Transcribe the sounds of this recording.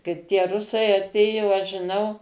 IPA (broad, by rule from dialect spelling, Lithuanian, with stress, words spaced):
ˈkɐɪp tʲiɛ ˈrʊsɐɪ ɐˈtʲeːjoː ˈɐʃ ʒʲɪˈnɐʊ